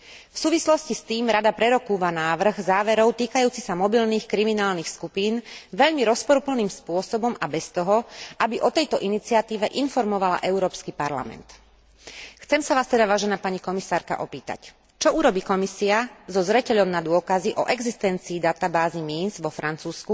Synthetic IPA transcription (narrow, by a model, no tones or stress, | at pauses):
fsuːʋislɔscist̪iːmɾad̪apɾɛɾɔkuːʋanaːʋr̩ɣzaːʋɛɾɔʊt̪iːkajuːt͡sisamɔbilniːxkɾiminaːlniːxskupiːnʋɛʎmiɾɔspɔɾupl̩niːmspʊɔsɔbɔmabɛst̪ɔɦɔabiʔɔt̪ɛjt̪ɔʔinit͡siat̪iːʋɛʔinfɔɾmɔʋala̰ʔɛʊɾɔːpskipaɾla̰mɛ̰nt̪ | xt͡sɛmsaʋaːst̪ɛd̪aʋaːʒɛnaːpaɲikɔmisaːɾka̰ʔɔpiːt̪a̰c | t͡ʃɔuɾɔbiːkɔmisiazɔzɾɛcɛʎɔʊnad̪ʊɔkaziʔɔʔɛɡzist̪ɛnt͡siːd̪at̪abaːzimiːnzʋɔfɾant͡suːsku